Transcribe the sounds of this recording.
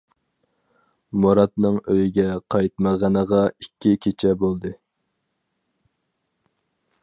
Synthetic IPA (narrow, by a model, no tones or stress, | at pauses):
moɾɑt̪nɨŋøjiɡʲɛqʰɑjt̪̚məʁɑnəʁɑikʲːikʲʰet͡ʃʰɛbolˠd̪ɨ